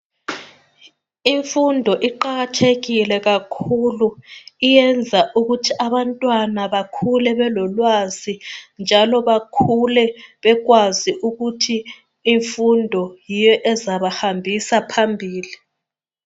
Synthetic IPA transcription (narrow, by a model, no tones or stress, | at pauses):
iɱfundʱɔʔiǃaɣatʰeɣilɛɣakʰuluijɛnd͡zʱaʔuɣutʰiʔaβantʼwanaβakʰulɛβɛlɔlwazind͡ʒʱalɔβakʰulɛβɛɣwaziʔuɣutʰiː | ɱfundʱɔjijɔʔɛzaβahambʱisapʰambʱiːli